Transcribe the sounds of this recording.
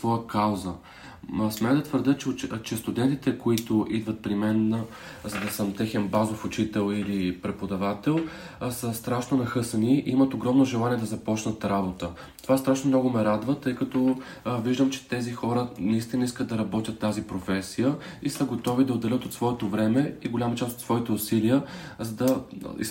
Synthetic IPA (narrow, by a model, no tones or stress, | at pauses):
svɔjəkawzə | smʲɛd̪ɐt̪vəɾd̪ət͡ʃɛst̪ʊd̪ɛnt̪it̪ɛkoit̪ʊʔid̪vɐt̪̚pɾimɛn | zɐd̪ɐsəmt̪ɛxɛnbazofʊt͡ʃit̪ɛlˠilipɾɛpod̪ɐvat̪ɛlˠ | səst̪ɾaʃnonɐxɤsɐniimət̪oɡɾɔmnoʒɛlˠaniɛd̪ɐzɐpɔt͡ʃnɐt̪ɾabot̪ə | t̪ovast̪ɾaʃnomnɔɡʊmɛɾad̪vət̪ɤjkɐt̪ɔ | viʒd̪əmt͡ʃɛ̥t̪ɛzixɔɾənɐist̪inəiskət̪̚d̪ɐɾɐbɔt̪ʲjət̪ːazipɾofɛsijəisəɡot̪ɔvid̪ɐod̪ːɛlʲət̪ot̪svɔɛt̪ovɾɛmɛiɡolʲamɐt͡ʃast̪ot̪svɔit̪ɛʊsiliəzɐd̪ɐḭ